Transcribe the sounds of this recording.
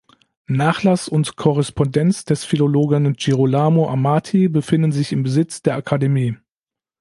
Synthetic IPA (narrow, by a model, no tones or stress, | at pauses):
naːχlasʊntkʰɔʁɛspʰɔndɛnt͡sd̥ɛsfiloloːɡənd͡ʒiʁolaːmoʔamaːtʰibəfɪndn̩zɪçɪmbəzɪt͡sd̥eːɐʔakʰademiː